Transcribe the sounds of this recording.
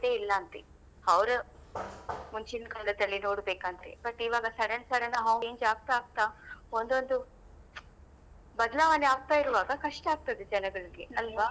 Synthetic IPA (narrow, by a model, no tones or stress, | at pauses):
d̪eːilːɐːnt̪e | ɐʋɾe | muɲt͡ʃinkɐɳdɐd̪ɐlːinoːɽbeːkaːnd̪ɐɾḛbɐʈːiːʋaːɡɐsɐɽensɐɽenːɐɦɐeːɲd͡ʒaːɡ̚t̪aːɡ̚t̪ao̞nd̪o̞nd̪u | bɐd̪ɐlaːʋɐneaːɡ̚t̪aːiɾuʋaːɡɐkɐʂʈɐaːɡ̚t̪ɐd̪ed͡ʒɐnɐɡɐɭiɡeɐlʋɐ